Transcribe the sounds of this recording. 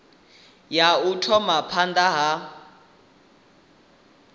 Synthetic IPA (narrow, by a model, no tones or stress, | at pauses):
jautʰɔmapʰandaɦa